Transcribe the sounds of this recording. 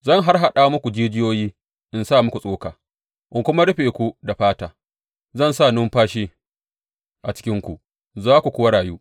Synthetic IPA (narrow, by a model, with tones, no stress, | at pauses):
zɐ˦˨ŋɦa˦rɦa˨ɗa˨˦mʊ˦kʷu˨d͡ʒiː˦d͡ʒɪ˦joː˦jiː˦ | ʔɪ˨nsaː˦˨mʊ˦ku˨sʼoː˦kaː˨ | ʔʊ˨ŋkʷʊ˦ma˦ɽɪ˦ɸeː˨kʷu˦da˨ɸaː˦taː˨ | zɐ˦˨nsaː˦˨nʊ˦mɸaː˦ʃiː˦ | ʔa˨t͡ʃɪ̥˦kʲɪ˦ŋkʷu˨ʔ | zaː˦kʷu˨kʷʊː˦wa˦ɽaː˨juː˦